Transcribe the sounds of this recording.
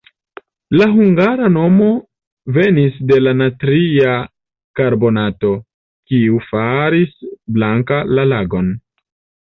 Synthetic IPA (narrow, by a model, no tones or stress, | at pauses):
laɦuŋɡaɾano̞mo̞ | ve̞nisde̞lanatɾia | kaɾbo̞nato̞ | kiufaɾisblaŋkalalaɡo̞n